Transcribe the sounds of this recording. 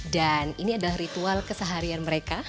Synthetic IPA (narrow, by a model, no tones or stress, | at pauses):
daniniadalahrit̪ualkəsəɦaɾianməɾeka